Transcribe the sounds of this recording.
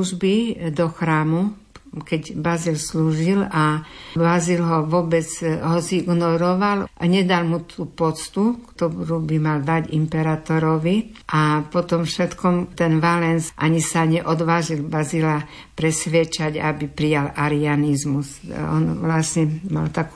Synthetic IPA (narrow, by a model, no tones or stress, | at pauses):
uʒbid̪ɔxɾaːmu | kɛɟbazilsluːʒilabazilɦɔʋʊɔbɛd͡zɦɔziɡnɔɾɔʋalʔɲɛd̪almut̪ʰuːpɔt͡st̪ukt̪ɔɾuːbimald̪aɟḭmpɛɾaːt̪ɔɾɔʋiʔapɔt̪ɔmfʃɛt̪kɔmt̪ɛnʋalɛnsʔa̰ɲisaɲɛʔɔd̪ʋaːʒilbazila | pɾɛsʋɪɛt͡ʃaɟa̰bipɾijalaɾianizmusɔ̰nʋlasɲɛma̰lt̪aku̥ː